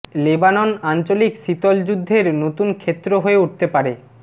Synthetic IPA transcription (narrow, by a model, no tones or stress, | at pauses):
lebanonant͡ɕolikʃit̪old͡ʑud̪ʱːeɾnot̪unkʰet̪ːɾoɦoeuʈ̚t̪epaɾe